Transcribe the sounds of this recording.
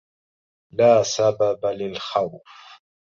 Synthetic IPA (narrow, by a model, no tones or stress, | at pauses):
laːsababalɪlxawf